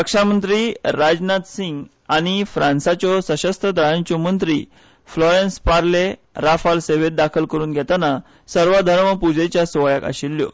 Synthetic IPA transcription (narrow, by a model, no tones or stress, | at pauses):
əkʂamənt̪ɾiːɾad͡znat̪siŋɡ | aɽ̃ifɾãnsat͡ɕɔsəɕəst̪əd̪aɭãɲt͡ɕɔmənt̪ɾḭː | flɔɾenspaɾle | ɾafalseʋet̪̚d̪akʰəlkəɾuːnɡʱɛt̪ana | səɾʋad̪ʱəɾməpud͡ʑet͡ɕjasʋɔjaka̰ɕilːjɔ̰